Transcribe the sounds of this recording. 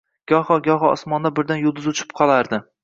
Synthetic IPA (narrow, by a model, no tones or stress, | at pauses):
ɡ̥ʲɒhɒɡʲɒɦɒɒ̰smɒnd̪abɪɾd̪anjʊlˠd̪ɪzʊt͡ʃʰɪ̥p̚qʰɒlˠaɾd̪ɪ